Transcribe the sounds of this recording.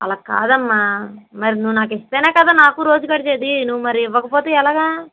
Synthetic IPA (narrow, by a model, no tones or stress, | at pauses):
ɐ̰laːka̰ːd̪ɐmːamɐɾinuʋːunaːkest̪e̞ːneːkɐd̪aːnaːkuɾo̞ːd͡ʒukɐɽit͡ʃeːd̪inuʋːumɐɾiiʋːɐkɐpoːt̪eːɛlaːɡaː